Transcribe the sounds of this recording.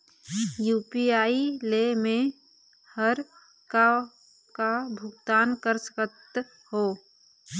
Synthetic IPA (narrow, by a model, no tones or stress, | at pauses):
juːpiaːilemẽ | həɾ | ka | kabʱʊɡt̪aːnkəɾsə̥kət̪ | ho